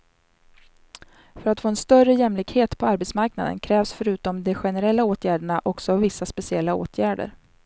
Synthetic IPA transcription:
fœɾat̪foːɛnst̪œrəjɛmlɪkheːt̪pʰɔaɾbɛt̪smaɾknad̪ə̰nkʰɾɛːvsfœɾʉ̟ːt̪ɔmd̪ɛɧɛnəɾɛlːaoːt̪ʰjæːɖəɳaʔɔksɔvɪsːaspɛsɪɛlːao̰ːt̪ʰjæːɖə̰ɾ

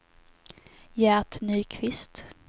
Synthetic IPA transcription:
jæːt̪nyːkʰvɪst̪

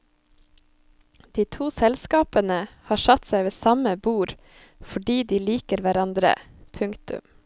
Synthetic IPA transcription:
d̪̥iːt̪ʰuːsɛlskɑːpənəhɑːʃɑt̪sæɪʋeːsɑməbuːɾ | fɔɖiːd̪iːliːkəɾʋæɾɑnd̪ɾə̰ | pʰʉŋkt̪ʉ̰m

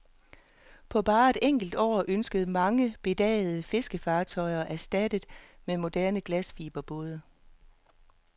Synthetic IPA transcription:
pʰɒ̽b̥ɑ̈ːe̝d̥eŋ̰ɡ̥l̩d̥ɒ̰ːʔønsɡ̥əð̞̩ˠəmɑ̈ŋəb̥e̝d̥ɛ̰ːð̩ˠəfe̝sɡ̥əfɑ̈ːt͡sʰɒ̽ɪɐʔæsd̥æd̥əð̩ˠmemo̝d̥æɐnəɡ̥læsfiːb̥ɐb̥ɔːð̞ˠə

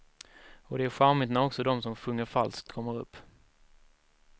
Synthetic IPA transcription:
ɔd̪ɛæɾɧaɾmɪt̪næɾɔksɔd̪ɔmsɔmɧɵŋːəɾfalskt̪̚kʰɔmːəɾɵ̰pː

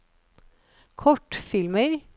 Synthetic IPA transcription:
kʰɔʈfɪlməɾ

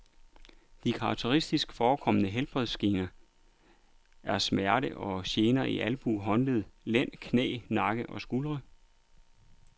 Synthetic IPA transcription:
d̥ikʰɑ̈ɡ̥̚t͡sʰe̝ʁisd̥isɡ̥fɒːkʰɒ̽mənəɦelb̥ʁɛðˠsɡ̥eːnɐ | æɐsmæɐɾəʔɒ̽ɕeːnɐiʔælb̥uɦɒ̽nləð̞ˠlen̰kʰnɛ̰ːnɑ̈ɡ̥əʔɒ̽sɡ̥ulʁə

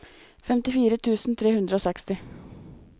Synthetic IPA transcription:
fɛmt̪ɪfiːɾət̪ʰʉːsn̩t̪ʰɾeːhʉnd̪ɾəoːsɛkst̪ɪ

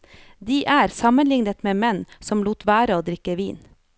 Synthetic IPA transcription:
d̪iːʔæːɾsɑmənlɪŋnət̪meːmɛnsɔmluːt̪ʋæːɾəoːd̪ɾɪkəʋiːn

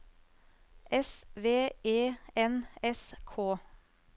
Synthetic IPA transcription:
ʔɛsʋeːʔeːɛnɛskʰoː

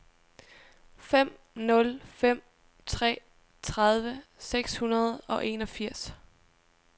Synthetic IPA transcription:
fem̰ | nɔ̽lfem̰ | t͡sʰʁɛ̰ː | t͡sʰʁɑðˠʋəseɡ̥shunɐð̞̩ˠɒ̽ʔe̝nɒ̽fiɐ̰s

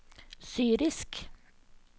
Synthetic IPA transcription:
syːɾɪsk

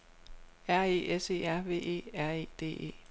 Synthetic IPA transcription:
æɐ̰e̝̰ːese̝̰ːæɐ̰ʋe̝̰ːe̝̰ːæɐ̰e̝̰ːd̥e̝̰ːe̝̰ː

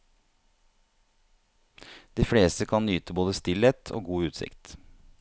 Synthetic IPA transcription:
d̪̥iːfɽeːst̪əkʰɑnnyːt̪əboːd̪əst̪ɪleːt̪ʰo̰ːɡuːʉːt̪sɪ̰kt̪

